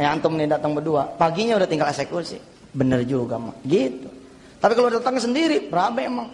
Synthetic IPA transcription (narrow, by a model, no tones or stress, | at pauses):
jant̪ʊmnidat̪aŋbəduapaɡiɲaudaht̪iŋɡalɛksekusḭ | bənərd͡ʒuɡama̰ɡit̪u | t̪apikaloddat̪aŋasəndiɾibəɾabaemaŋ